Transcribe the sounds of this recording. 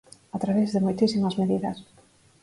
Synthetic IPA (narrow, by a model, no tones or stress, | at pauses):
at̪ɾaβezðemojt̪isimazmeðiðɐ̰s